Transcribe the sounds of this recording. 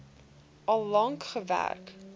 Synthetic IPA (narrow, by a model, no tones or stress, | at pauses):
ʔɐlˠːɐŋkχəvæ̰rk